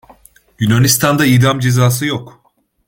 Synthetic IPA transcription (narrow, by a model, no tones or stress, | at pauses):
ɟynanist̪ʰand̪aijd̪amd͡ʒezaːsɯjok